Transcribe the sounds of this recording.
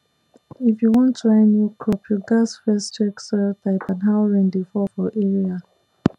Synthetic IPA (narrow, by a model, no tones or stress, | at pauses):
ifjuwɔ̃ntʰɹaɪnjukʰɹɔpʰjuɡasfɛst͡ʃɛksɛtaɪpãnɦaʊɹɛ̃ndefɔfɔʔɛɹia